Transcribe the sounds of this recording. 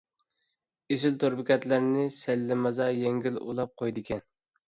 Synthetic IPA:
eʃɪlt̪ʰoɾbɪkʲɛt̪læɾnɪsɛlːɪmɑzɑjeŋɡʲilo̰lˠɑp̚qʰojd̪ɪkʲʰɛn

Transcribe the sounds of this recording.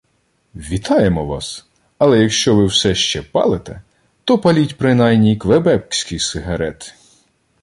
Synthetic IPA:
ʋʲit̪ʰɑjemɔʋɑ̰s | ɐlˠɛjɐkʃt͡ʃɔʋɪwsɛʃt͡ʃɛpɑ̰lˠet̪ɛ̰ | t̪ɔpɐlʲitʲpɾɪnɑjnʲijkʋebɛp̚ksʲkɪjsɪɦɐɾɛt̪

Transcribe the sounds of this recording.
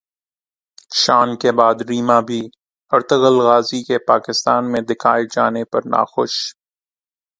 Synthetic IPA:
ʃaːnkebaːd̪ɾiːmabʱi | ɐɾt̪əɣəlɣaːzikepaːkɪst̪aːnmẽd̪ɪkʰaːɪd͡ʒaːnepɐɾna̰ːxʊʃ

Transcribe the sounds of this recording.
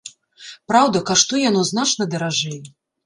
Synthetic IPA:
pɾawd̪ɐkaʂt̪ujanɔznat͡ʂnɐd̪ɐɾaʐɛjɛ

